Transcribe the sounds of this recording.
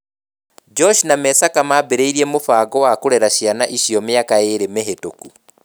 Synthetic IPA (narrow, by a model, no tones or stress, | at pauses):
d͡ʒɔʃnamɛsakamabeɾeiɾiɛmofaːɡɔwakoɾɛɾaɕianaʔiɕijɔmeakaeɾemeɦetoku